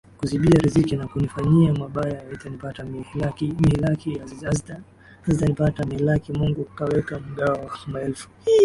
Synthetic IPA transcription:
kuziɓiaɾizikinakunifaɲiamaɓajajaitanipatamamilakija | aztanipatamiilakimuŋɡukawɛkam̩ɠaɔmaɛlfu̥

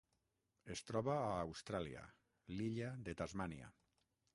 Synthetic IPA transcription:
est̪ɾɔβaːwst̪ɾalia̰ | liʎaðet̪azmania̰

